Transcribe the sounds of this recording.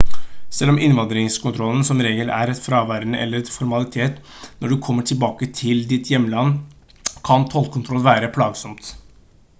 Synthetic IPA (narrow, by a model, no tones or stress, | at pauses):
sɛlːɔmɪnʋɑnd̪ɾɪŋskʊnt̪ʰɾɔlːənsɔmɾeːɡəlʔæ̰ɾɛt̪fɾɑʋæɾnəʔɛ̰lːəɾɛt̪fɔɾmɑlɪt̪ʰeːt̪nɔɖʉkʰɔmːəʈʰɪlbɑːkət̪ʰɪld̪ɪt̪ʰjɛmːəlɑnː | kʰɑnt̪ʰɔlkʰʊnt̪ʰɾɔlːʋæːɾəpʰlɑːɡsɔmt̪